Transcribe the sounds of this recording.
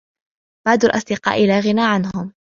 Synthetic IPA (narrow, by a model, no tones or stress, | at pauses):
b̥aʕd̪alʔɑ̰sˤd̪ɪqɑ̰ːʔɪlaːɣɪnaːʕanɦʊm